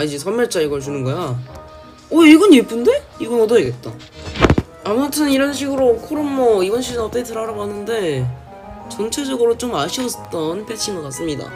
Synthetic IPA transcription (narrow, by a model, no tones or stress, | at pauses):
aid͡ʑesʰʌmjʌɭt͡ɕ͈aiɡʌɭt͡ɕunɯnɡʌja | ʌiɡʌnep͈unde̞ | iɡʌnʌdʌeɡe̞t̚t͈a̰ | amutʰɯniɾʌnɕʰiɡɯɾokʰoɾɯmːʌibʌnɕʰid͡ʑɯnʌt͈ʌkʰetɯɾaɾaɡɦanɯnde̞ | t͡ɕʌnt͡ɕʰe̞d͡ʑʌɡɯɾot͡ɕomaɕʰiʌt͈ʌnpʰet͡ɕʰimɡʌkas͈ɯmɲida̰